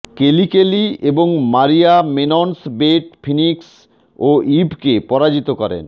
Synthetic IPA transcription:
kelikelieboŋmaɾiamenonsbeʈfʰiniks | oʔibkepɔɾad͡ʑit̪okɔɾḛn

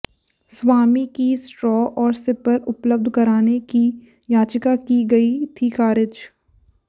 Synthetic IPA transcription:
sʋaːmikisʈɾɔːʔɔːɾsɪpəɾʊpləb̚d̪ʱkɐɾaːneki | jaːt͡ʃɪkakiɡɐit̪ʰixaːɾɪd͡ʒ

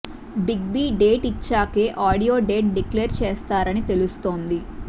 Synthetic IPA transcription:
biɡ̚biːɖeːʈit͡ʃːaːkeːʔaːɽijo̞ːɖeːʈ̚ɖikleːɾt͡ʃeːst̪aːɾɐnit̪e̞lust̪o̞ːnd̪i

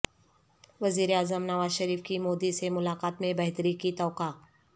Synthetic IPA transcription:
ʋɐziːɾeaːzəmnɐʋaːzʃəɾiːfkimoːd̪isemʊlaːqaːt̪mẽbɐɦt̪ɾikit̪ɔːqaː

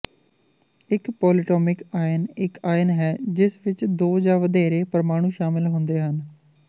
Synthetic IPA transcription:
ɪkpɔːlɪʈɔːmɪkaːjənɪkaːjənɦɛːd͡ʒɪsʋɪt͡ʃd̪oːd͡ʒaːʋəd̪ɛːɾeːpəɾmaːɽ̃ũːʃaːmɪlɦʊ̃nd̪eːɦən

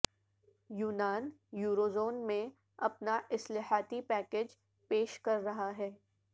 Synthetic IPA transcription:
juːnaːnjuːɾoːzoːnmẽ | ɐpnaʔɪslaːhaːt̪ipɛːkeːd͡ʒ | peːʃkɐɾːɐɦaɦɛː

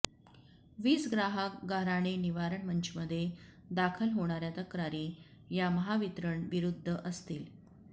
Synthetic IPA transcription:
ʋiːt͡sɡɾaɦəkɡaɾaɽ̃eniʋaɾəɳməɲt͡ɕʰməd̪ʱːje | d̪akʰəlɦoɽ̃aɾjat̪əkɾaɾiːjaməɦaʋit̪ɾəɳʋiɾud̪ʱːəʔəst̪iːl

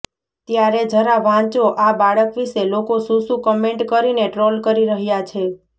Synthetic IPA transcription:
t̪jaɾed͡ʒəɾaʋãt͡ʃoʔabaɭəkʋiʃelokosũsũkɔmeɳʈkəɾineʈɾolkəɾiɾəɦjat͡ʃʰe

